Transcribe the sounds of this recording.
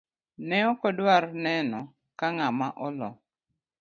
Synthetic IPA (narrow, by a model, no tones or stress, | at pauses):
nɛɔkɔdwaɾnɛnɔ | kaŋamaʔɔlɔ̰